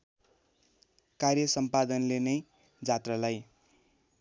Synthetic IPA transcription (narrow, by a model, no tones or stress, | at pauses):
karjʌsʌmpad̪ʌnlenʌj | d͡zat̪ralaj